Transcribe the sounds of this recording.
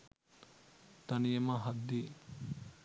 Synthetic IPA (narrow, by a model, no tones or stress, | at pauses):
t̪ɐnijemaɦɐd̪ːi